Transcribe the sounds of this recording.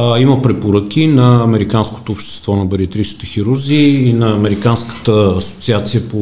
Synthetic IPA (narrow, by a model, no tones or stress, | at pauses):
imɐpɾɛpoɾək̟inɐːmɛɾikansko̥t̪oːpʃt̪ɛ̥st̪vɔnɐbɛɾiət̪ɾit͡ʃi̥t̪ɛxiɾuɾziːnɐːmɛɾikanskə̥t̪əɐso̥t̪siat̪sijəpo